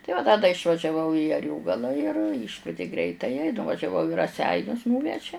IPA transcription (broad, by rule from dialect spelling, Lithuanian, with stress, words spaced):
tɐɪ ˈʋɐ dɐ dɐ ɪʃʋɐʒʲɛˈʋɐʊ iː ɐˈrʲoːɡɐlˠɐ ɪr ˈiːʃkʋʲiɛtʲɪ ˈɡrʲɛɪtɐjɛ ɪ nʊʋɐʒʲɛˈʋɐʊ ɪ rɐˈsʲɛɪnʲʊs ˈnuːʋʲɛʒʲɛ